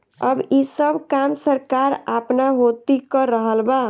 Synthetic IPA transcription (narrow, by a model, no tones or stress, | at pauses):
ə̰bisəbkamsəɾkaɾapnaɦot̪ikəɾəɦəlba